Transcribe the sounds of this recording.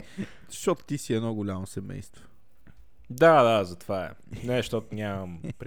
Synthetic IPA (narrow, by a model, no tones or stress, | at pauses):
ʃt̪ɔt̪ʊ̥t̪isiɛnɔɡʊlʲamosɛmɛ̰jst̪vo | d̪ad̪azɐt̪vaɛ̰ | nɛʃt̪ɔt̪ʊnʲaməmpɾ